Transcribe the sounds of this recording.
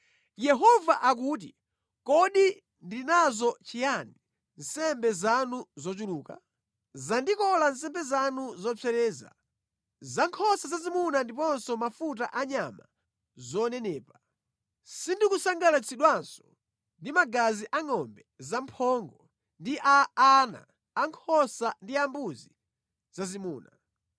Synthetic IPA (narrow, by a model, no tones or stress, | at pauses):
jɛɦɔvaʔak̬uːt̬ḭ | kɔɗi | ndinazɔt͡ʃijani | n̩sɛmbɛzanuzɔt͡ʃuluːka̰ | zandikɔlans̬ɛmbɛzanuzɔt͡sɛɾɛːza̰ | zaŋkʰɔsazazimunandipɔnsɔmafut̬a̰ʔaɲama̰ | zɔnɛnɛːpa | sindikusaŋɡalat͡sʰiɗwansɔ̥ | ndimaɡaziʔaŋɔmbɛzampʰɔŋɡɔ | ndiʔaːna̰ː | ŋkʰɔsandiambuzi | z̥azimuːna